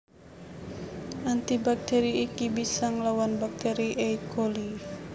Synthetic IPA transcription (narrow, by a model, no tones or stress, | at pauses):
ʔant̪ibak̚t̪eɾiːkibisaŋlawanbak̚t̪eɾiʔeikʰoli